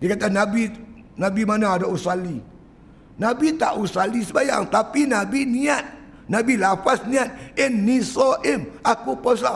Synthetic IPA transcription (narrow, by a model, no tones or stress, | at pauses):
dikat̪anabi | nabimanaːdausali | nabit̪a̰ʔusalisəbaja̰ŋt̪apinabiniat̪̚ | nabilapasniat̪̚ɪmnisɔʔɪmakupɔsla